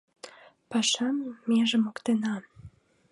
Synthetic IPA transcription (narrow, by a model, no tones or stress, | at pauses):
pɑʃɑmːeʒə̆mokt̪enɑ